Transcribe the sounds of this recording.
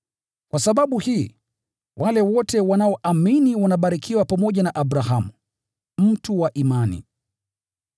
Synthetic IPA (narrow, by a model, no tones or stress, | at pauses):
kwasaɓaɓuhiː | wʔalɛwɔtɛwanaɔʔaminiwanaɓaɾikʰiwapamɔʄanaʔaɓɾaɦamu | m̩tuwaʔimanḭ